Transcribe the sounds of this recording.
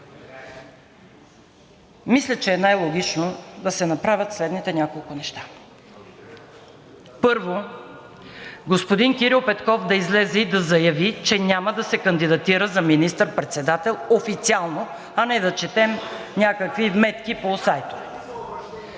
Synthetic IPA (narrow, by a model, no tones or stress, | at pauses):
mislʲət͡ʃɛːnajlˠoɡʲit͡ʃnod̪ɐsɛnɐpɾavʲət̪slɛd̪nit̪ɛnʲakolˠkʊnɛʃt̪ḁ | pɤɾvo | ɡospod̪inkʲiɾilˠpɛt̪kɔfd̪ɐizlɛzɛid̪ɐzɐjɐvit͡ʃɛnʲaməd̪ɐsɛkɐnd̪id̪ɐt̪iɾəzɐminist̪əɾpɾɛt̪sɛd̪at̪ɛlˠofit̪sialˠno | ɐnɛd̪ɐt͡ʃɛt̪ɛm | nʲakəkvivmɛt̪kʲiposajt̪o̥